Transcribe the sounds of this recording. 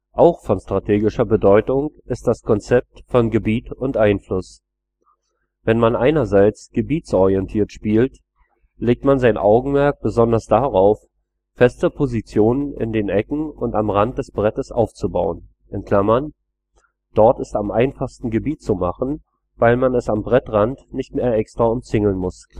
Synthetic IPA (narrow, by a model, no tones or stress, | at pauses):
ʔaʊxfɔnʃtʁ̥atʰeːɡɪʃɐbədɔʏtʊŋʔɪst̚d̥askʰɔnt͡sɛp̚tfɔnɡəbiːtʊntʔaɪnflʊs | vɛnmanʔaɪnɐzaɪt͡sɡ̥əbiːt͡sʔɔʁiɛntʰiːɐtʃpiːlt | leːk̚tmanzaɪnʔaʊɡŋ̩mɛɐk̚b̥əzɔndɐsd̥aʁaʊf | fɛstəpʰozit͡sjoːnənɪ̰ndeːnʔɛkŋ̩ʊntamʁant̚d̥ɛsb̥ʁɛtəsʔa̰ʊft͡subaʊən | ʔɛnkʰl̥amɐn | d̥ɔɐtɪstamʔaɪnfaχstn̩ɡəbiːtt͡sumaχn̩ | vaɪlmanɛsambʁɛtʁantnɪçtmeːɐʔɛkstʁ̥aʊmt͡sɪŋl̩nmʊs